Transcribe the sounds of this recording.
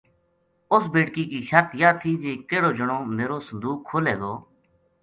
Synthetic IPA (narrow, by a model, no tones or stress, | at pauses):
ʊsbeːʈkiːkiːʃəɾt̪jaːt̪ʰiːd͡ʒeːkeːɽoːd͡ʒəɽ̃õːmeːɾoːsə̃nd̪uːkʰːoːleːɡ̪oː